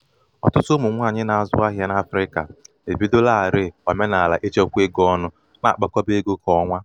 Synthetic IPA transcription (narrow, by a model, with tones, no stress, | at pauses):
ɔ̰˨tʊ˦tʊ˦mʊ˨ŋʷa˦˨ɲɪ˦na˨a˨zʊ̰˦a˦ɦja˦na˦fɾɪ˦ka̰˨ | e˨bi˦do˦la˦a˨ɾɪ˦˨ɔ˨me˦na˨a˨la̰˨ʔe˦t͡ʃe˦kʷe˦ɡɔ˦nʊ˦ | na̰˨a˨k͡pa˦kʷɔ˦be˦ɡo˦kɔ˨˦ŋʷa˦